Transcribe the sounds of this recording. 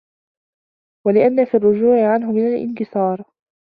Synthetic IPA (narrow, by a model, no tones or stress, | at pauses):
walɪʔanːafiːrˤːʊd͡ʒuːʕɪʕanɦʊmɪnalʔɪ̰nkɪsɑːɾˤ